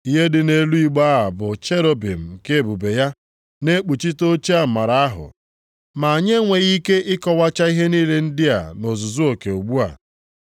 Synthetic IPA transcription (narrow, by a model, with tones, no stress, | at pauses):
i˦ɦe˦dɪ˨ne˨lu˦i˨ɡ͡ba˦a˨bʊ˨t͡ʃe˦ɾo˦bḭ˨m̩˨ke˦˨bu˨be˨ja˦ | ne˦k͡pu˨t͡ʃi˦to˦t͡ʃi˦a˨ma˨ɾa˨a˦ɦʊ̰˨ | ma˨a˨ɲe˦ŋʷe˨ɣi˦ke˦ʔɪ˦kɔ˦wa˦t͡ʃa˦i˦ɦe˦niː˦le˦n̩˦dɪ˦a̰˨no˨zʊ˨zu˦o˨ke˨u˨ɡ͡bu˦a̰˨